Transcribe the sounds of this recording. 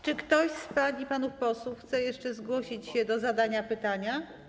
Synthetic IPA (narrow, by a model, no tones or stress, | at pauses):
t͡ʂɘkt̪ɔɕspalʲipanufpɔswuxt̪sɛjɛʂt͡ʂɛzɡwɔɕit͡ɕɕɛd̪ɔzad̪aɲapɘt̪aɲa